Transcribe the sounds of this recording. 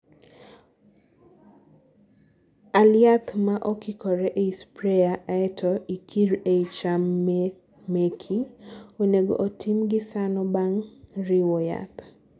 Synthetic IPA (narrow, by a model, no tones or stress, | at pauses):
aljat̪maʔɔkɪkʰɔɾɛʔeispɾɛjaʔaɛtʰɔʔikʰiɾeit͡ʃam | mekʰioneɡo̰ʔotʰimɡɪsanɔbaŋɾiwɔja̰t̪